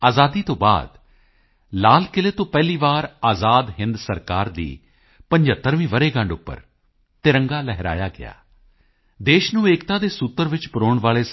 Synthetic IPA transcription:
aːzaːd̪iːt̪õːba̰ːd̪ | laːlkɪleːt̪õːpɛːliːʋaːɾaːzaːd̪ɦɪ̃nd̪səɾkaːɾd̪ḭː | pə̃ɲd͡ʒət̪ːəɾʋĩːʋəɾeːɡə̃ɳɖʊpːə̰ɾ | t̪ɪɾə̃ŋɡaːlɛɦɾa̰ːjaːɡɪ̰ja̰ː | d̪eːʃnũːeːkt̪ãːd̪eːsut̪ːəɾʋɪt͡ʃpʊɾoːɳʋaːɭeː

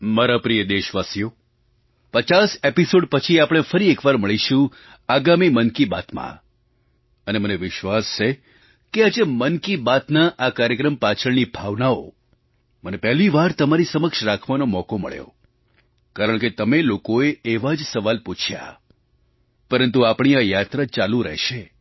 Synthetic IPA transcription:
maɾapɾijəd̪eʃʋasjo | pət͡ʃasepisoɖpət͡ʃʰiapɽ̃efəɾiekʋaɾməɭiʃũ | aɡamimənkibat̪mã̰ | əneməneʋɪʃʋast͡ʃʰe | kead͡ʒemənkibat̪naʔakaɾjəkɾəmpat͡ʃʰəɭnibʱaʋnao̰ | mənepɛɦliʋaɾt̪əmaɾisəməkʃɾakʰʋanomɔkomə̰ɭjo̰ | kaɾəɳ̃ket̪əmelokoeeʋad͡ʒsəʋalput͡ʃʰja̰ | pəɾənt̪uapɳ̃iajat̪ɾat͡ʃalũɾɛ̰ɦʃe

